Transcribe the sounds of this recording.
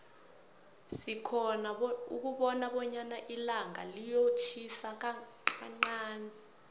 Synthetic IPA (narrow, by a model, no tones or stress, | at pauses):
sikʰɔnauk̬uɓɔnaɓɔɲanaʔilaŋa̰lijot͡ʃʰisak̬a | aŋ͡ǃaːnɛ